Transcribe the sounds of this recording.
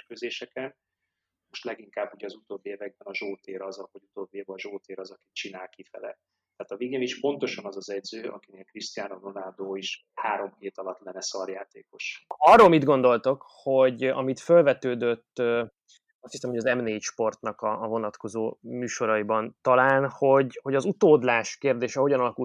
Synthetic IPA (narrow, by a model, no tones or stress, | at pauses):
erkøzeːʃɛkɛn | mo̞ʃt̪lɛɡiŋkaːbːuɟɛɒzut̪oːbːiɛvɛɡ̚bɛnɒʒoːt̪eːɾɒzɒvɒɟut̪oːbːiɛvɒʒoːt̪eːɾɒzɒki̥t͡ʃinaːlkifɛ̰lɛ̰ | t̪ɛaːt̪ɒviɡeːniʃpo̞nt̪o̞ʃɒnɒzɒzɛɟzøːʔɒ̰kineːlkriʃt̪ijaːnononard̪oːiʃ | haːɾo̞mkeːt̪ɒlɒt̪lɛnːɛsɒɾjaːt̪eːko̞ʃɒrolmid̪ɡo̞nd̪o̞lt̪o̞kho̞ɟɒ̰mit̪følvɛt̪øːd̪øt̪ːø | ɒst̪hisɛmhoɒzɛmneːiʃpo̞rt̪nɒkɒːvo̞nɒt̪ko̞zoːmyːʃo̞ɾɒibɒnt̪ɒlaːnho̞ɟho̞ɟɒzut̪oːd̪laːʃkeːrd̪eːʃɛɦoɟɒnɒlɒkul